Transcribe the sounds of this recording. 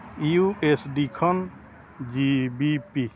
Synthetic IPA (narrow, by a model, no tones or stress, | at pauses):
iuʔesɖikʰɔn | d͡ʒibipi